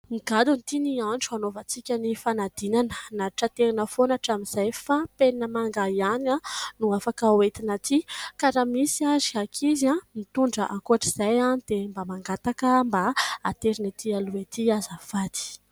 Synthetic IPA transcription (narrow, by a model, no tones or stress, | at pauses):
miɡad̪unit̪inianʈ͡ʂuanovət͡sikʲənifanad̪inanənaʈ͡ʂat̪eɾinəfonaʈ͡ʂamiz̥ajfapenəmaŋɡajananuafakəoet̪inat̪ikaɾamisiaziakʰizamit̪uɳɖ͡ʐəʔakuaʈ͡ʂiz̥ajanid̪̥embamaŋɡat̪akəmbaat̪eɾinat̪ialuet̪iazafad̪i̥